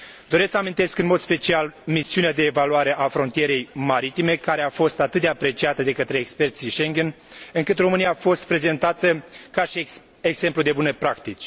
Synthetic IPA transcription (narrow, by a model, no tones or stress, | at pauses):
d̪o̞ɾesksəamĩnt̪e̞skɨnmo̞d̪spe̞t͡ʃialmisiunead̪e̞ːvaluaɾe̞ʔafɾo̞nt̪ije̞ɾe̞jmaɾit̪ime̞kaɾe̞afo̞st̪at̪ɨt̪̚d̪eapɾe̞t͡ʃiat̪əd̪e̞kət̪ɾe̞ːkspe̞rt̪siʃe̞ŋɡʲen | ɨŋkɨt̪ro̞mɨnijaːfo̞st̪̚pɾe̞ze̞nt̪at̪əkaʃi | ekse̞mplud̪e̞bunepɾakt̪it͡ʃʲ